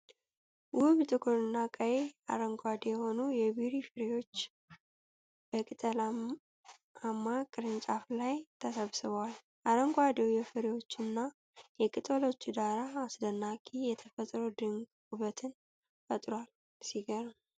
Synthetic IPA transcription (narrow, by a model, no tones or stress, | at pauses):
wʊβt̪ʼɨkʰoɾɨnːakʼəjea̰ɾəŋɡʷad̪ejɛho̞nujɛβiɾifɨɾewo̞t͡ʃː | bəkʼɨt̪ʼəla | amːakʼɨɾɨnt͡ʃʼaflajt̪ʰəsəβsɨβwal | ʔaɾəŋɡʷad̪ewjɛfɨɾewo̞t͡ʃːɨnːa | jɛkʼɨt̪ʼəlo̞t͡ʃːd̪aɾaːsd̪ənːakʰʼijɛt̪ʰəfət̪ʼɾod̪ɨŋɡ | uβət̪ʰɨn | fət̪ʼɾwal | siɡəɾə